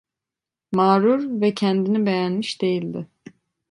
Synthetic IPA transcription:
maːɾuɾvɛcʰɛnd̪inibejænmiʃd̪e̞jilʲd̪ɪ

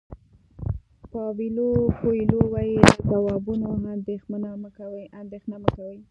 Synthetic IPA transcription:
pɑwilopoilowɑjiləzawɑbunoɦand̪exmanaməkawəjʔand̪exnaməkawəj

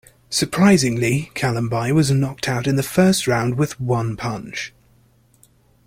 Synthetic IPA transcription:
səpʰɹ̥aɪzɪ̃ŋlikʰalə̃mbaɪwɒznɒk̚tʰaʊtɪ̃nðəfɜˑstɹãʊ̃ndwɪðwʌ̃npʰʌ̃nt͡ʃ

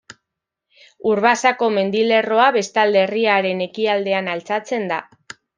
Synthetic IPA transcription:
uɾβasako̞me̞nd̪ile̞ro̞aβe̞st̪ald̪e̞riaɾe̞ne̞kiald̪e̞analt͡sat͡se̞nd̪a̰

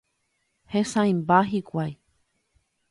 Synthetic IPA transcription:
hẽsãj̃mbaɦikʷaj

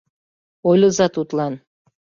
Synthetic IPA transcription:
ojlʲɤ̆zɑt̪ut̪lɑn

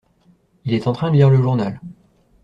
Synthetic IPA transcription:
ilɛt̪ɑ̃t̪χɛ̃d̪əliʁləʒuʁnal

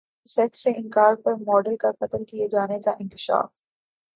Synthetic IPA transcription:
sɛkseʔɪ̃ŋkaːɾpɐɾmɔːɖəlkaqɐt̪əlkied͡ʒaːnekaʔɪ̃nkɪ̥ʃa̰ːf

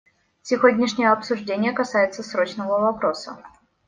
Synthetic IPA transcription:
sʲɪvodʲnʲɪʂnʲɪjəɐpsʊʐdʲenʲɪjəkɐsajɪt̪səsɾo̞t͡ɕnəvəvɐpɾo̞sə̰

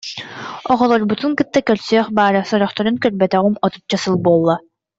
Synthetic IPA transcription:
ɔʁɔlˠɔɾbut̪uŋkɯt̪ːakœɾsœːχbaːɾasɔɾɔχt̪ɔɾunkœɾbɛt̪ɛʁɯmɔt̪u̥t͡ɕːasɯlˠbuɔlˠːa

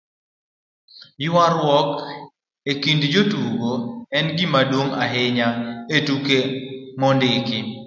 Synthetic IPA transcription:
jwaɾwɔk | ekindd͡ʒotuɡoɛnɡimadwoŋa̰ɦɪɲaetukemɔndɪkɪ

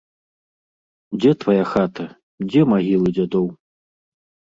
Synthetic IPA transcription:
d͡zʲɛt̪vajaxat̪ɐ | d͡zʲɛmaɣʲilˠɨd͡zʲad̪ɔw

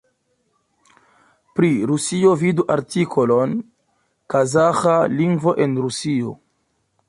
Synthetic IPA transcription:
pɾiɾusio̞viduʔaɾtikʰolon | kazaxaliŋɡvo̞ʔe̞nɾusio̞̰

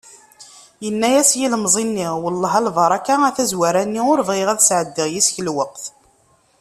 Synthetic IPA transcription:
jənːæjæsjiləmzˤinːiʁwəlːəɦɑlvɑɾˤɑkːaæθæzwaɾænːiʊɾəvʁeʁæðsʕəd̪ːəʁjisçəlwəqθ

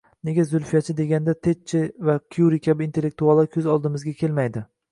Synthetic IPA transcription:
ne̞ɡʲazʊlfijat͡ʃʰɪd̪e̞ɡʲand̪at̪ʰet͡ʃʰːɪvakʲʰjuɾikʲʰabint̪elːek̚t̪ʰualˠakʲʰɵzɒlˠd̪ɪmɪzɡʲakʲʰe̞lmajd̪ɪ

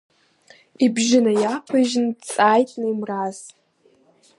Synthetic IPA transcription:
ibʒɪnajapʰaʒnt͡sʼaːjtʼnɨimraz

